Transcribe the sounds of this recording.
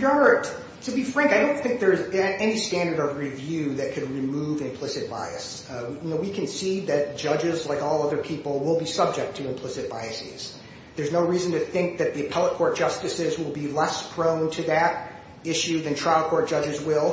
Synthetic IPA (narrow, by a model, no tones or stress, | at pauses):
jə | tʰɨbifɹæ̃ŋkaɪɾõʊ̃nθɪ̃ŋk̚ðə˞zɛɛnistæ̃ndə˞ɾʌvɹivjʉðɨt̚kʰɨd̚ɹimuvɨ̃mpʰl̥ɪsɨt̚b̥a̰ɪɨs | jɨnoʊwikʰɨ̃nsiðɨt̚d̥ʒ̥ʌd͡ʒɪzlaɪkɔlˠʌðə˞pʰipl̩ˠwɪlˠbisʌb̚d͡ʒɨk̚tʰɨɨ̃mpʰl̥ɪsɨt̚b̥aɪɨsḭz̥ | ðə˞znoʊɹiz̃n̩tɨθɪ̃ŋk̚ðɨt̪̚ðiɨpʰɛlˠət̚kʰɔɹt̚d̥ʒ̥ʌstɨsɪzwɪlˠbilɛspʰɹ̥õʊ̃ntʰɨðɨɾ | ɪʃʉðɨ̃ntʰɹ̥aɪlˠkʰɔɹt̚ʒ̥ʌd͡ʒɨzwɪlˠ